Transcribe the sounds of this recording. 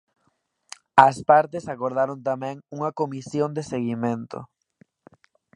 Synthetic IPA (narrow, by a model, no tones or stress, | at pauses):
ɐspaɾt̪esakoɾðaɾont̪amɛ̃ŋuŋɐkomisjond̪eseɣimẽnt̪o̰